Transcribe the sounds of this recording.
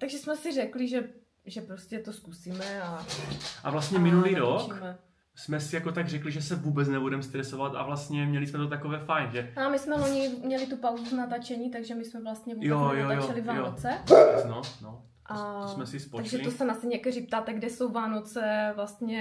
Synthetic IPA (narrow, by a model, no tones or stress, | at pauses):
t̪aɡʒɛsmɛsɪrɛkliʒɛ | ʒɛpɾoscɛt̪oskusiːmɛaʔa̰vlast̪ɲɛmɪnuliːɾoikːmɛ | smɛsɪjakot̪aɡrɛkliʒɛsɛvuːbɛt͡snɛbudɛmst̪ɾɛsovat̪a̰vlast̪ɲɛmɲɛlɪsmɛt̪ot̪akovɛːfajnʒɛamɪsmɛloɲɪmɲɛlɪt̪upawzuznat̪at͡ʃɛɲiːt̪aɡʒɛmɪsmɛvlast̪ɲɛvjonjaoajoaɛlɪvaːjnoot͡sɛbɛnono | ʔaosmɛsɪspoaɡʒɛt̪osɛnasɛɲɛkɛrip̚t̪aːt̪ɛɡdɛsowvaːno̞t͡sɛvlast̪ɲɛ